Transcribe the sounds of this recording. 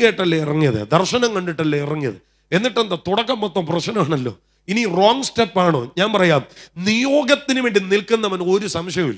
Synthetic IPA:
eːʈːɐlːɐirɐŋːijɐðɨ̰d̪ɐrʂɐnɐŋkɐɳɖiʈːɐlːoirɐŋːijɐ̰ðɨ̰ | e̞nːiʈːend̪ɐt̪uɽɐkːɐmpot̪ːɐːmprɐt͡ɕnɐmaːɳɐlːo̞̰ː | iniroːŋɡsʈepːaːɳo̰ːɲaːnpɐrɐjaːmnijoːɡɐt̪ːinuʋeːɳɖinilkunːɐmɐno̞ɾusɐmʂjɐʋḭlː

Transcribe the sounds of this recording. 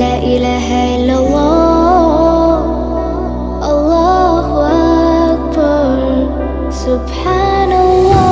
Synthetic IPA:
aːʔɪlaːɦaʔɪlːɑlˤːɑː | ʔɑlˤːɑːɦʊʔakbɑɾɾ | sʊbħaːnalːɑː

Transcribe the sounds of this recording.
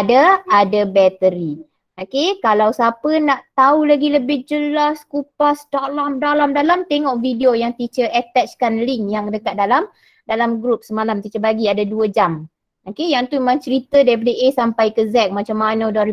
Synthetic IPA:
daadəbɛt̪əɾi | okekalawsapənaʔt̪aulaɡiləbɪhd͡ʒəlaskupast̪aʔlamdalamdalamt̪eŋɔʔfidiojaŋt̪it͡ʃəʔɛt̪ɛt͡ʃkanliŋjaŋdəkat̪̚dalam | dalamɡɾup̚səmalamt̪it͡ʃəbaɡiadaduəd͡ʒam | okejaŋt̪uimãŋt͡ʃəɾit̪ədaɾip̬adəʔesampajkəzɛk̚mat͡ʃamːanədɔɾi

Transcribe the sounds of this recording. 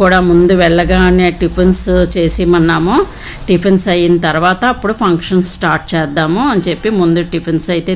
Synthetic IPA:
kuːɽaːmund̪uʋɛɭːɐɡaːneːɖipʰenst͡ʃe̞ːsimɐnːaːmu | ɖipʰensɐjːinɐt̪ɐɾuʋaːt̪ɐːpːuɽupʰɐŋkʂɐnssʈaːɾʈ̚t͡ʃɛːd̪ːaːmuɐnt͡ʃe̞pːimund̪uɖipʰensɐjit̪eː

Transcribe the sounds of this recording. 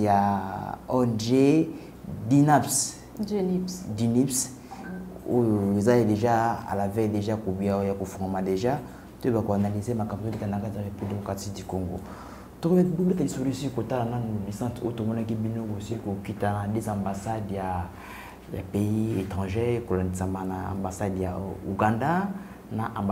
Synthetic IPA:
ja | ɔɛnʒe | dinaps | dinips | ojoezadeʒaa̰lavɛjdeʒakobiajakofɔʁmadeʒa | tbakoanalizemakambotikanakataeppidemokʁatikdikoŋɡo̰ | tokobubetalisoisiikotalananolisãtootomɔnak̬ibinokosiikokitanadezãmbasadja | ja̰peietʁɑ̃ʒekolandisamanaã̰mbasadja̰ṵɡãnda | naʔã

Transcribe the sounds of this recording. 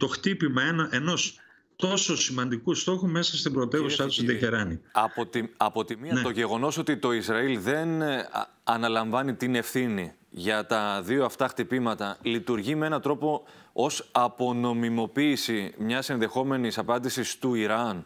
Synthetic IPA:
t̪o̞xt̪ipimɐenɐʔeno̞s | t̪o̞so̞simɐnd̪ikust̪o̞xume̞sɐst̪ibɾot̪e̞vusiɐt̪usit̪eçeɾɐniɐpot̪iɐpo̞t̪imiɐt̪o̞ʝe̞ɣo̞no̞so̞t̪it̪o̞izɾɐilðe̞n | ɐnɐlɐɱvɐnit̪ine̞fθini | ʝɐt̪ɐðio̞ɐft̪ɐxt̪ipimɐt̪ɐlit̪uɾʝimee̞nɐt̪ɾo̞po̞o̞sɐpo̞no̞mimo̞piːsimɲɐse̞nðe̞xo̞me̞nisɐpɐnd̪isist̪uiɾɐn

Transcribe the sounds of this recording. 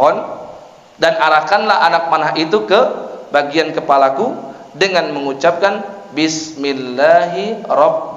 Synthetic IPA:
ɔn | danaɾahkanlaɦanak̚manaɦit̪ukəbaɡiankəpalaku | dəŋanməŋut͡ʃap̚kanbɪsmilːaɦiɾɔb̚

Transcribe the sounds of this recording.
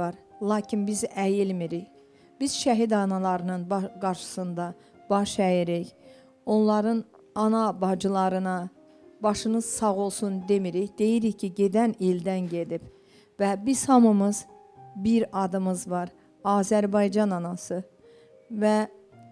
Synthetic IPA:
ɑɾlˠɑːcʰinbizæjilmiɾiç | biz̥ʃæɦid̪ɑnɑlˠɑɾɯnɯnbɑɡɑɾʃɯ̥sɯnd̪ɑ | b̥ɑʃæjiɾiç | o̞nlˠɑɾɯn | ɑnɑbɑd͡ʒɯlˠɑɾɯnɑ | bɑʃɯnɯz̥sɑʁo̞lˠsund̪e̞miɾiçd̪̥e̞jiɾiçcʰiɟe̞d̪ænild̪ænɟe̞d̪ib | væbiz̥hɑmɯmɯz̥ | biɾɑd̪ɯmɯzvɑɾ | ɑːzæɾbɑjd͡ʒɑnɑnɑsɯ | væ

